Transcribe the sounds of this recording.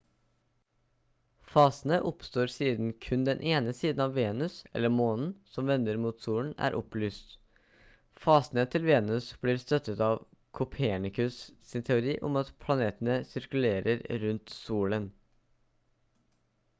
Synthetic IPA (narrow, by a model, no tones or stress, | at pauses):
fɑːsənəʔɔpst̪oːɾsiːd̪n̩kʰʉnd̪ɛnʔeːnəsiːd̪n̩ɑʋːeːnʉsɛ̰lːəɾmoːnn̩sɔmʋɛnd̪əɾmuːt̪suːln̩æ̰ːɾʔɔplyːst̪ | fɑːsnət̪ʰɪlʋeːnʉsb̥liːɾst̪œt̪ːət̪ɑːʋ | kʰʊpʰeːɳɪkʉssɪnt̪ʰɛʊɾiːʔɔ̰mɑt̪pʰlɑneːt̪ənəsɪɾkʉleːɾəɾɾʉnt̪suːlən